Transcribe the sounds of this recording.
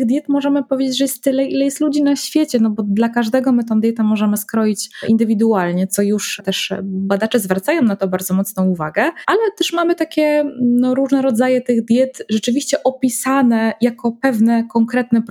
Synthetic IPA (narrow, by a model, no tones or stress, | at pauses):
ɣd̪ʲjɛt̪mɔʐɛmɘpɔvʲjed͡ʑet͡ɕʐɛjɛst̪ːɘlɛilɛjɛst̪lud͡ʑinaɕfʲjet͡ɕɛnɔbɔd̪lakaʐd̪ɛɡɔmɘt̪ɔ̃w̃d̪ʲjɛt̪ɛmɔʐɛmɘskɾɔjit͡ɕḭnd̪ɘvʲid̪ualɲɛt̪sɔjuʂt̪ɛʂbad̪at͡ʂɛzvɾat̪sajɔ̃w̃nat̪ɔbaɾd̪zɔmɔt̪snɔ̃w̃uvaɡɛʔalɛt̪ɛʂmamɘt̪akʲɛnɔɾuʐnɛɾɔd̪zajɛt̪ɘɣd̪ʲjɛt̪ʐɛt͡ʂɘvʲiɕt͡ɕɛʔɔpʲisanɛjakɔpɛvnɛkɔŋkɾɛt̪nɛp